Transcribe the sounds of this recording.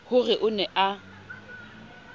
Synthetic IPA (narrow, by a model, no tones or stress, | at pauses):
hʊrɪʔʊnɛʔa